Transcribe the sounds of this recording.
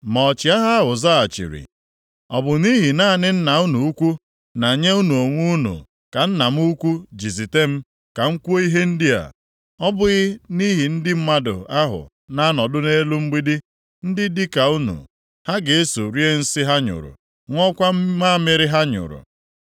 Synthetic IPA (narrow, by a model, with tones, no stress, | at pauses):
mɔ˨t͡ʃi˨a˦ɦa˦ɦʊ˨za˦a˨t͡ʃḭ˨ɾḭ˨ | ɔ˨bʊ˨ni˦ɦi˨na˦˨nɪ˦n̩˦na˨u˦nu˨u˦kʷu˦ | na˨ɲe˦u˦nu˨o˨ŋʷu˦u˦nṵ˨ | ka˨n̩˦na˨m̩˦u˦kʷu˦d͡ʒi˨zi˨te˦m̩˦ | ka˨ŋ̩˦kʷu˦o˦i˦ɦe˦n̩˦dɪ˦a̰˨ | ɔ˦bʊ˦ɣɪ˦ni˦ɦi˨n̩˦dɪ˦m̩˦ma˦dʊ̰˨a˦ɦʊ̰˨ | na˦nɔ˨dʊ˦ne˦lu˦ŋ͡m̩˦ɡ͡bi˦di˦ | n̩˦dɪ˦dɪ˦ka˨u˦nṵ˨ | ha˦ɡe˨e˦su˨ɾi˦e˦n̩˦sɪ˦ɦa˦ɲʊ̰˨ɾʊ̰˨ | ŋʷɔ˦kʷa˦m˦ma˦mɪ˨ɾɪ˦ɦa˦ɲʊ̰˨ɾʊ̰˨